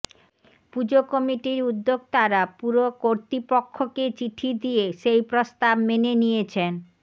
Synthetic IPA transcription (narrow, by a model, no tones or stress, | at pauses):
pud͡ʑokɔmiʈiɾud̪ːoɡ̚t̪aɾapuɾokoɾt̪ɾipokʰːoket͡ɕiʈʰid̪ieʃejpɾost̪abmenenijet͡ɕʰen